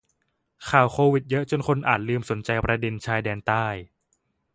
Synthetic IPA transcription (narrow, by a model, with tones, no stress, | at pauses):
kʰaː˨˩wkʰoː˧wi˨˩t̪̚jɤ˦˥ʔt͡ɕo˧nkʰo˧nʔaː˨˩t̪̚lɯː˧mso˩˦nt͡ɕa˧jpɾa˧de˧nt͡ɕʰaː˧jdɛː˧nt̪aː˥˩j